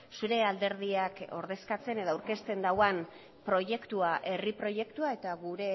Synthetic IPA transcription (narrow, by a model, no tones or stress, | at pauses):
suɾe̞ald̪e̞ɾðiako̞̰ɾð̞e̞skat͡se̞neðoawɾke̞st̪e̞nd̪awan | pɾo̞ʝe̞kt̪uaʔe̞ripɾo̞je̞kt̪uae̞t̪aɣuɾe̞